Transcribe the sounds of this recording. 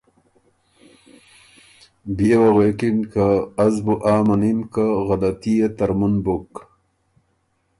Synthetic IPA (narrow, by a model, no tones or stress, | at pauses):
biewɐɣwekinkaːzbuʔaːmɐnimkaɣɐd̪at̪ijet̪ɐɾmunbuk